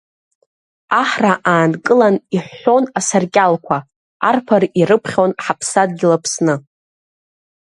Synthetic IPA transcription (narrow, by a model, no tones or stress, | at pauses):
aħraʔaːnkʼɨlaniħʷːo̞nasarkʲʼalkʷʰa | arpʰarirɨpʰχʲonħapʰsad̚ɡʲilapʰsnɨ